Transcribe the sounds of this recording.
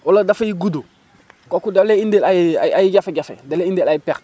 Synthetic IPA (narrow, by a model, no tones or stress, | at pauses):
woladafejiɡudo | kokudaleindelajiaajiɟafeɟafḛdaleindelajipɛɾ